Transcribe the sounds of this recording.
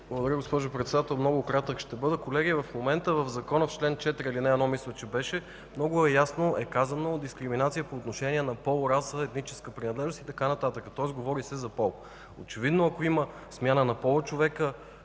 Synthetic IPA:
blˠɡʊd̪ɐɾəɡospɔʒʊpɾɛt̪sɛd̪at̪ɛlˠmnɔɡʊkɾat̪əkʃt̪ɛbɤd̪əkolɛɡʲiəvɐfmomɛnt̪əvəvzɐkɔnəft͡ʃlɛnt͡ʃɛt̪ɾʲilinɛɛd̪nɔmislʲˠət͡ʃɛbɛʃɛ | mnɔɡʊɛjasnoʔɛkazɐnoːd̪d̪iskɾiminat̪sijəpoːt̪noʃɛnʲiɛnɐpɔlˠɾasəɛt̪nit͡ʃɛ̥skəpɾinɐd̪lɛʒnost̪it̪ɐkanɐt̪at̪əkət̪ɔɛzɡovɔɾisɛzɐpɔlˠ | o̰t͡ʃɛvid̪noɐkoimə | smʲjanənɐpɔlˠot͡ʃovɛkə

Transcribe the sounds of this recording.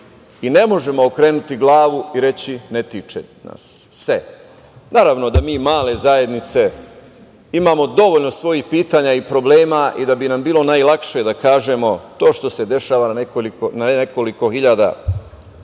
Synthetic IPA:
ine̞mo̞ʒe̞mo̞okɾeːnut̪iɡlˠaːʋuiɾe̞t͡ɕine̞t̪it͡ʃḛna̰sːe | naːɾaʋno̞d̪amiːmaːle̞zaje̞d̪nit̪se̞ | imaːmo̞d̪o̞ʋoʎno̞sʋo̞jixpiːt̪aːɲaipɾo̞bleːmaʔid̪abinambiːlo̞najlˠakʃed̪akaːʒe̞mo̞t̪o̞ːʃt̪o̞se̞d̪e̞ʃaːʋanekolikonaneko̞liko̞xiʎad̪a̰

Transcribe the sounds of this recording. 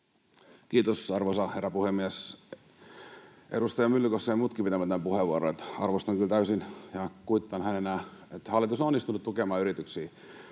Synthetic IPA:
kiːt̪osɑrʋosɑherːɑpuhemːies | ʔḛɾust̪ɑjɑmylːykosːɑjɑmuːt̪kipit̪æmæt̪ːæmpuheʋːuoɾoet̪ɑrʋost̪ɑŋkylt̪æysinjɑkuit̪ːɑnhænenæet̪hæɑlːit̪josononːist̪unut̪ukemɑːyɾit̪yksiː

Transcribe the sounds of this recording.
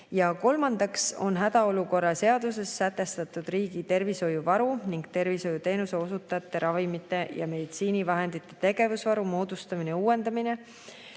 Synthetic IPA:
jɑko̞lmɑnd̪̥ɑkso̞̰nɦæd̪̥ɑo̞luko̞rːɑse̞ɑd̪use̞sːæt̪ːˑe̞st̪ɑt̪ːˑud̪̥riːɡit̪e̞rviso̞juvɑɾuniŋɡ̥t̪e̞rviso̞jut̪e̞ːnuse̞o̞sut̪ːˑɑɑt̪ˑːe̞ɾʔɑvimit̪ːˑe̞jɑ̰me̞d̪̥it̪siːnivɑɦe̞nd̪̥it̪ːˑe̞̥t̪e̞ɡ̥e̞vusvɑɾumo̞ːd̪̥ust̪ɑmineuːe̞nd̪ɑmine̞

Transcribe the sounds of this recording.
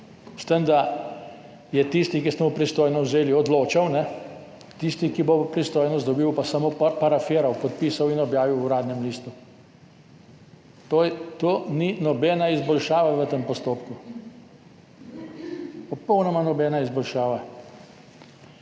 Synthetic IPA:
st̪ənd̪a | jɛt̪ist̪ikisɛmupɾist̪oːjnɔwzeːliɔd̪loːt͡ʃawnɛ | t̪ist̪ikibopɾist̪oːjnɔzd̪ɔbiːwpasamopaɾafeːɾawpɔt̪̚piːsawinɔbjaːʋiwɾaːd̪nɛmliːst̪u | t̪ot̪oːninɔbɛnaizbɔlʃaːʋaʋət̪empɔst̪oːpku | pɔpɔwnɔmanɔbɛːnaizbɔlʃaːʋa

